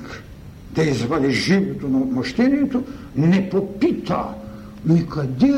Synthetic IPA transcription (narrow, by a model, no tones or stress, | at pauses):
k | d̪ɐizvad̪iʒivɔt̪onamoʃt̪ɛnijɛt̪onɛpopit̪a̰ | nikad̪i